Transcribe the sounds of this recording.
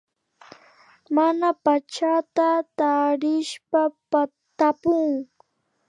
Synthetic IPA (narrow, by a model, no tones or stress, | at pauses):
manapat͡ʃat̪at̪aɾɪʃpapa | t̪apʊŋ